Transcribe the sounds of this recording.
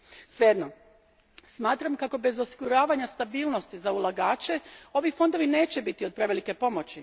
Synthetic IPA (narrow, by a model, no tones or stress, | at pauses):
sʋjed̪no | smaːt̪ɾamkako̞be̞zo̞siɡuɾaːʋaɲast̪abiːlno̞st̪izaulˠaɡaːt͡ɕe̞o̞ʋifo̞nd̪o̞ʋine̞ːt͡ɕe̞bit̪io̞d̪̚pɾe̞ʋe̞like̞po̞mo̞t͡ɕi